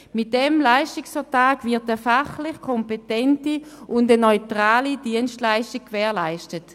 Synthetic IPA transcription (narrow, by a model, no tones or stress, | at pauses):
mɪt̚d̥ɛmlaɪʃtɪksfətaːkvɪɐtəfaχlɪχkʰɔmpetɛntiʔʊndənɔʏtʁaːlidiənstlaɪʃtɪk̚kːvɛːɐlaɪʃtət